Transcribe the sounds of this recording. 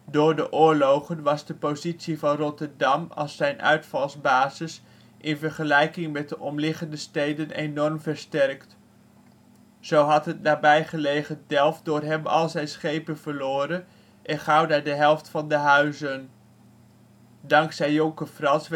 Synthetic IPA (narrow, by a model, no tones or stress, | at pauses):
dʊːɹdəʔʊːɹlowχənʋɑzdəpowzitsivɑnrɔtəɹdɑmɑ̰lˠsɛjnʔœ̰ɥtfɑlˠzbaːzɪs | ʔɪnvəɹχəlɛjkɪŋmɛt̚dəʔɔmlɪχəndəstejdənenɔrmvəɹstɛɹkt | z̥owɦɑtɦətnaːbɛjχəlejχədɛlˠfdʊːrɦɛmɑ̰lˠzɛjnsχejpənvəɹlʊːɾən | ʔɛnχɑwdaːɹdəɦɛlˠftfɑndəɦœɥzən | dɑŋksɛjɔŋkəfrɑns